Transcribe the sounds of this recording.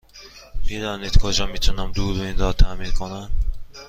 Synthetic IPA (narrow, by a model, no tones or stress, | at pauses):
bid̪ɒːniːd̪̥kʰɔd͡ʒɒːmiːt̪ʰunæmd̪uːɾoind̪ɒːt̪ʰæːmiːnkʰonæn